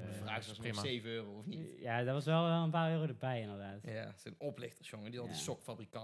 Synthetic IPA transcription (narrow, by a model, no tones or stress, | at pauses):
vaːsisejvəøːrowɔfnitjaːdɔtʋɑsʋɛlˠɛlˠənpaːɹøːrodəɹbɛjɪndəɹdaːtjasənɔplɪxtəɹsjɔŋədilˠdisɔkfabrikɑ